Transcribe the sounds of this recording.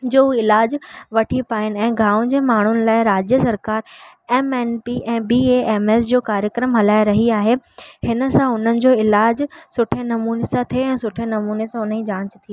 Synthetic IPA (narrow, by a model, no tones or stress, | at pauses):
d͡ʑoːɦuɪlaːd͡ʑʋɐʈʰipaːɪnɪ̆ɛ̃ːɡʱaːʊ̃d͡ʑeːmaːɳ̤ʊnɪ̆laːɪɾaːd͡ʑjəsɐɾkaːɾ | ɛːmɛːnpiʔɛ̃ːbiːeeːmeːsd͡ʑoːkaːɾjəkɾəmɦɐlaːɪɾɐɦiaːɦehɪnə̆sãʊn̤ənɪ̆d͡ʑoːɪlaːd͡ʑsʊʈʰenɐmuːnesãt̪ʰieɛ̃ːsʊʈʰenɐmuːnesãʊnəĩd͡ʑãːt͡ɕt̪ʰieː